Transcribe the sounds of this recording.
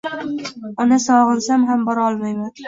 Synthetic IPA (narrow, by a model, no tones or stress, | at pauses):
ɒnasɒʁɨɾsamɦambɒɾɒlˠmajman